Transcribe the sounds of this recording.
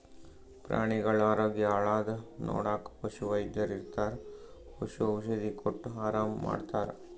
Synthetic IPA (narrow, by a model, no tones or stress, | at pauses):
pɾa̰ːɳiɡɐɭaːɾoːɡjɐaːɭaːd̪ɐno̰ːɽaːkpɐʃuʋɐjd̪jɐɾiɾt̪aːɾ | pɐʃuɐʋiʃɐd̪ikoʈːaːɾaːmːa̰ːɖt̪aːɾ